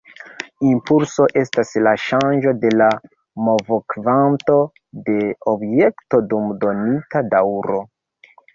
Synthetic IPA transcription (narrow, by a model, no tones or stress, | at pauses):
impulso̞ʔe̞staslaʃand͡ʒo̞de̞la | movokvanto̞ | de̞obje̞kto̞dumdo̞nitadawɾo̞